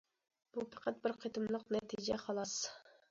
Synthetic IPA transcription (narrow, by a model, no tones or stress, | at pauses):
b̥upʰɑqʰɑt̪̚bɪɾqʰet̪ʰɨmlˠəqnɛt̪ʰid͡ʒɛχɑlˠɑs